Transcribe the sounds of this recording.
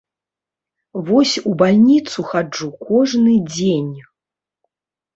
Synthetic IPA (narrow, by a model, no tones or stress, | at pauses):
vɔsʲubalʲnʲit̪suxad͡ʐukʰɔʐnɨd͡zʲenʲ